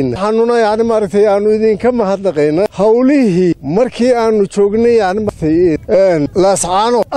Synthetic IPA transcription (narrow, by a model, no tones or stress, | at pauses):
nɐħɑnʊnɐjɑʕnɪmaːɾɐk̚t̪ʰɛjaːnʊɪðiːŋkʰɐmɐhɐd̪nɐqɛjnɐhɐwlɪhimɐrkʰiːaːnʊt͡ʃɔːɡnɛjɑʕnɪmat̪ʰɛjɛnlɐsʕɑːnɔʔ